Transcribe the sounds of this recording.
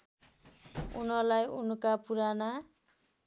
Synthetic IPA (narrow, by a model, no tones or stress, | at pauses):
unʌlajunukapuɾana